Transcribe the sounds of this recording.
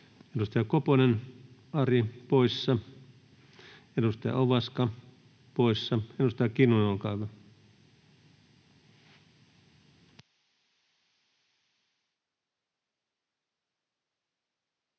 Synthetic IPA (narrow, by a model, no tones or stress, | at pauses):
edust̪ɑjɑkoponenɑripoisːɑ | edust̪ɑjɑ̰ʔoʋɑskɑ | poisːɑedust̪ɑjɑkinunokɑiʋɑ